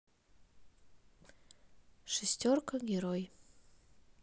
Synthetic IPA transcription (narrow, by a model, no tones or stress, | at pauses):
ʂesʲtʲorkʰɐɡʲeɾoj